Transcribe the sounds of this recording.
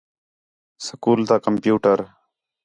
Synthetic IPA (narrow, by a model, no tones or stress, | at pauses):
səkuːlt̪aːkəmpjuːʈəɾ